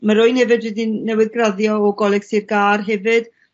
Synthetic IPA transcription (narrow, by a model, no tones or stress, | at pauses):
maɾʊjnɛvɨdwɪdinːɛwɪðɡraðjɔɔɡɔlˠɛɡ̥sirɡaːrɦɛvɨd̥